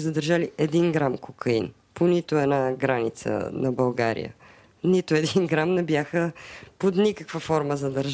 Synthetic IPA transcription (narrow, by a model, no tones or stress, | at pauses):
zəd̪əɾʒaliɛd̪inɡɾamkokəḭn | ponit̪oɛnaɡɾanit̪sə̰nɐbɐlˠɡaɾḭjə̰ | nit̪ʊɛd̪inɡɾamnɛbjaxəpot̪nikəkvəfɔɾməzɐd̪ɐɾʒ